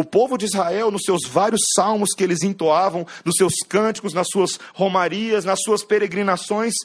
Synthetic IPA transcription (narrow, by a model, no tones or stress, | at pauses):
ʊpovʊd͡ʒɪizhaɛwnʊssewzvaɾjʊsːawmʊskɪelɪzĩnt̪oavɐ̃w̃nʊsːewskɐ̃t͡ʃɪ̥kʊznɐsːuɐshomaɾiɐsnɐsːuɐspeɾeɡɾinasõj̃s